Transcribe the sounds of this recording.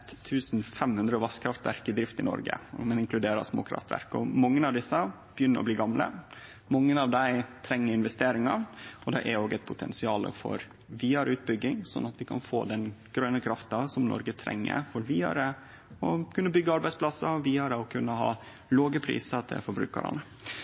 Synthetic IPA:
t̪ʰːʉːsn̩fɛmhʉnd̪ɾəɔʋɑskʰɾɑft̪ʋæɾkɪd̪ɾɪft̪ɪnɔ̰ɾɡə̰mɛnɪŋklʉd̪eːɾɑ̰smo̰ːkʰɾɑ̰ft̪ʋæ̰ɾkɔmɑŋːənɑʋd̪ɪsːə | b̥əjʏnːəɾɔ̰bliːɡɑmlə̰ | mɑŋːənɑʋd̪æɪt̪ʰɾɛŋːəɾɪnʋɛst̪eːɾɪŋɑɔd̪ɛʔɛɾoːɡæɪt̪pʰʊt̪ʰɛ̰nsɪɑːlə̰fɔ̰ɾ | ʋiːɑɾʉːt̪̚bʏɡːɪŋsɔ̰nːɑt̪ʋɪkʰɑ̰nfo̰ːd̪ɛnɡ̥ɾœnəkʰɾɑft̪ɑsɔmnɔ̰ɾɡət̪ʰɾʔɛ̰ŋːə̰ɾfɔɾʋiːɑ̰ɾə | ɔkʰʉnːəbʏɡːəɑɾbæɪspʰlɑsːəʋiːɑɾəɔkʰʉnːəɦɑ̰ː | loːɡəpʰɾḭːsət̪ʰɪ̰lfɔɾbɾʉ̰ːkə̰ɾɑ̰nə

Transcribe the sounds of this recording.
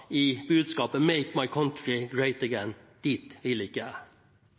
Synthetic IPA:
ibʉːd̪skɑːpəmeɪkmaɪkʰɔ̃ntɹɪɡɹeɪt̪əɡɛ̃nd̪̥it̪ʋɪlɪkːəæ

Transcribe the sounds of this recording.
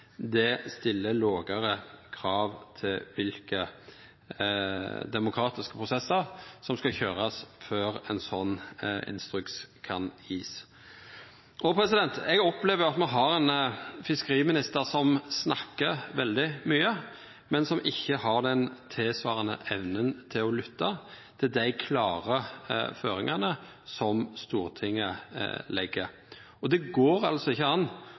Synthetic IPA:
d̪ɛst̪ɪlːəloːɡəɾəkʰɾɑːʋt̪ʰɪʋɪlkə | d̪ɛmʊkʰɾɑːt̪ɪskə̥pʰʁʊsɛsːəʁsɔmskɑçøːʁɑsføːɾɛnsɔnːɪ̰nst̪ɾʉktskʰɑnjiːs | ʔɔpʰɾɛsɪd̪ɛnt̪ɛɡɔpleːʋəɾɑt̪mɛɦɑɾɛnfɪskəɾiːmɪnɪst̪əʁsɔmsnɑkːəɾʋɛld̪ɪmyːə | mɛnsɔmʔɪçːəɦɑʁd̪ɛnt̪ʰɪlsʋɑːʁənə̰ʔɛʋnənt̪ʰɪlɔlʏt̪ːɑ | t̪ʰɪld̪æɪkʰlɑːʁəføːɾɪŋɑnə | sɔmst̪uːʁt̪ʰɪŋːə̰lɛɡːə | ɔd̪ɛɡoːɾɑlsɔɪçːəɑnː

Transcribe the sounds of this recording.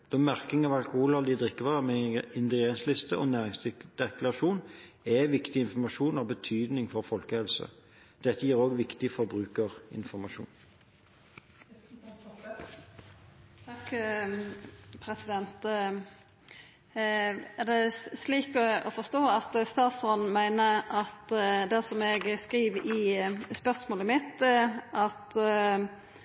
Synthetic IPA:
d̪̥ɔːmæʁkɪŋɑʋɑlkʊhuːlɑd̪ɪd̪ʁɪkːəʋɑːʁəmɛɪnd̪ɪɡeːnslɪst̪əʔɔnæːʁɪŋsd̪̥ɛklɑʁɑʃuːnɛʋɪkt̪ɪɪnfɔmɑʃuːnɔbət̪ʰyːd̪nɪŋfɔʁfɔlkəhɛlsə̰ | d̪̥ɛt̪ːəjiːʁoːɡʋɪkt̪ɪfɔʁbʁʉːkəʁɪ̰nfɔʁmɑʃṵːn | t̪ʰk | pʰɾɛsɪd̪ɛnt̪ | æʁd̪ɛsliːkɔɔfɔst̪oːɑt̪st̪ɑːt̪sɔnn̩mæɪnəʔɑt̪d̪æsɔmɛɡskʁiːʋɪspœʁsmoːləmɪt̪ːʔɑt̪

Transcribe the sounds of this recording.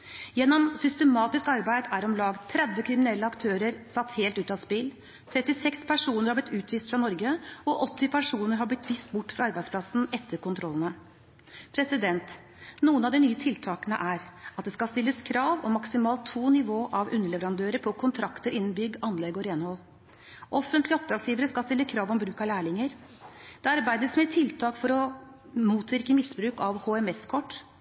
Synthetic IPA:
jɛnːɔmsʏst̪əmɑːt̪ɪskɑɾbæɪd̪æɾɔmlɑːɡt̪ʰɾɛd̪ʋəkʰɾɪmɪnɛlːəɑkt̪ʰøːɾəɾsɑt̪ːheːlt̪ʉːt̪ɑspɪl | t̪ʰɾɛt̪ːɪsɛkspʰæʂuːnəɾhɑɾblɪt̪ʉːt̪ʰʋiːst̪fɾɑnɔɾɡəɔʔɔt̪ːɪpʰæʂuːnəɾɦɑblɪt̪ʋɪst̪bʊʈːfɾɑɑɾbæɪd̪spʰlɑsn̩ɛt̪ʰːəɾkʊnt̪ʰɾɔlːənə | pʰɾɛsɪd̪ɛnt̪ | nuːənɑʋd̪ɪnyːət̪ʰɪlt̪ʰɑːkənə̰ʔæɾɑt̪̚d̪ɛskɑlst̪ɪlːəskʰɾɑːʋɔ̰mːɑksɪmɑːlt̪ʰːuːnɪʋoːʔɑʋʉnːəɭɛʋəɾɑnd̪øːɾəɾpʰɔkʰʊnt̪ʰɾɑkt̪əɾʔɪnːn̩bʏɡːɑnlɛɡɔɾeːnhɔlː | ʔɔfːənt̪lɪɔp̚d̪ɾɑːɡsjiːʋəɾəskɑst̪ɪlːəkʰɾɑːʋɔmbɾʉːkɑlæːɭɪŋəɾd̪̥ɛɑɾbæɪd̪əsmɛt̪ʰɪlt̪ʰɑːkfɔɾɔmuːt̪ʋɪɾkəmɪsbɾʉːkɑʋhoɛmɛskʰɔʈː

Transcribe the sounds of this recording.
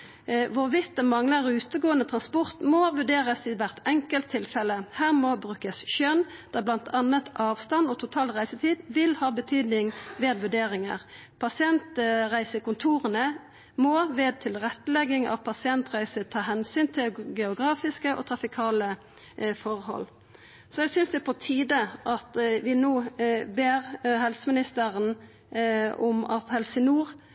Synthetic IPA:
ʋʊʁʋɪt̪̚d̪ɛmɑŋləʁʉːt̪əɡoːənət̪ʰʁɑnspɔʁt̪mɔʋʉɖeːʁəsɪʋæʁt̪ɛŋkəlt̪ʰːɪlfɛləhæːʁmɔbʁʉːkəsʃœnd̪̥ɑblɑnt̪ʰɑnət̪ʰʔɑːʋst̪ɑnɔt̪ʰʊt̪ʰɑːlʁæɪsət̪ʰiːd̪ʋɪlhɑːbət̪ʰyːd̪nɪŋʋeːd̪ʋʉɖeːʁɪŋə̰ʁ | pʰɑsɪɛnt̪ʁæɪsəkʊnt̪ʰuːʁənə | mɔʋeːd̪̚t̪ʰɪlɾɛt̪ːəlɛɡːɪŋɑ̰ʋpʰɑsɪɛnt̪ʁæɪsət̪ʰɑːɦɛnsyːnt̪ʰɪɡɛʊɡʁɑːfɪskəʔɔ̰t̪ʰɾɑfɪkʰɑːlə | fɔʁhɔ̰l | sɔɛsʏnsd̪ɛpʰɔt̪ʰiːd̪əʔɑt̪ʋɪnoːbeːʁhɛlsəmɪnɪst̪əɾən | ʊmɑ̰t̪hɛlsənuːʁ

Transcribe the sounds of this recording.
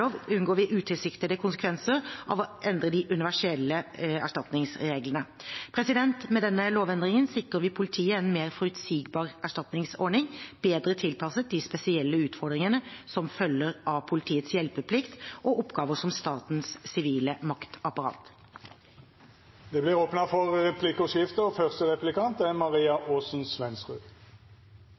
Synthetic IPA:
oːʋʉnɡoːɾʋɪʔʉːt̪ʰɪlsɪkt̪əd̪əkʰʊnsəkʰʋɛnsəɾʔɑ̰ʋɔʔɛnd̪ɾəd̪ɪʔʉnɪʋæʂɛlːəæʂʈɑt̪nɪŋsɾeːɡlənəpʰɾɛsɪd̪ɛnt̪mɛd̪ɛnːəloːʋɛnd̪ɾɪŋənsɪkʁəɾʋɪpʰʊlɪt̪ʰiːəɛnmeːɾfɔɾʉt̪siːɡbɑːʁæʂʈɑt̪nɪŋsɔɾɳɪŋb̥eːd̪ɾət̪ʰɪlpʰɑsət̪̚d̪ɪspɛsɪɛlːəʉːt̪fɔɾd̪ɾɪŋənəsɔmfœlːəɾɑʋpʰʊlɪt̪ʰiːət̪sjɛlpəpʰlɪkt̪ʔɔʔɔpɡɑːʋəʂɔmst̪ɑːt̪nssɪʋiːləmɑkt̪ɑpɑɾɑ̰ːt̪ | d̪̥ɛblɪʁoːpnɑfɔʁʁɛpʰlɪkʊʂɪft̪əɔfœʁst̪əʁɛplɪkɑnt̪æʁmɑʁiːɑʔoːsn̩sʋɛnsʁʉ̰ː

